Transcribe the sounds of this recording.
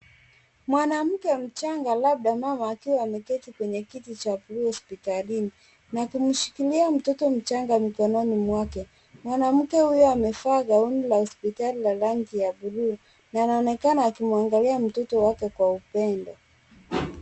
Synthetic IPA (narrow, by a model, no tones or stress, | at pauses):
mwanam̩kɛm̩t͡ʃaŋɡalaɓ̚ɗamamaːkiwaːmɛkɛtikwɛɲɛkitit͡ʃapuɾuhɔspitalini | nakum̩ʃi̥kiliam̩tɔtɔm̩t͡ʃaŋɡamikɔnɔnimwakɛ | mwanam̩kɛhujɔamɛfaːɡaunilahɔspitalilaɾaŋɡijaɓuɾuː | naːnaɔnɛkanaːkimuaŋɡaliam̩tɔtɔwakɛkwaupɛndɔ